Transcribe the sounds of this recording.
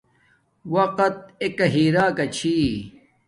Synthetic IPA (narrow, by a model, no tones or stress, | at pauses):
wɐqɐt̪̚ekɐɦiːɾaːkɐt͡ɕʰiː